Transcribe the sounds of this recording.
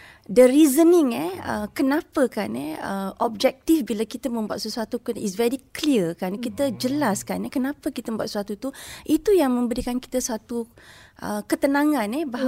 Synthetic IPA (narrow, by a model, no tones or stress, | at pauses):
dəɾizəniŋɛə̰kənãpəkanɛ̰əɔb̚d͡ʒɛk̚t̪ifbilakit̪əmə̃mbua̰t̪̚səsuat̪ukunisvɛɾikliəkankit̪əd͡ʒəlaskanɛkənãpəkit̪əməmbuat̪səuat̪ut̪uʔit̪ujaŋmə̃mbəɾikanki̥t̪əsat̪uʔəkət̪ənãŋãnɛbaɦa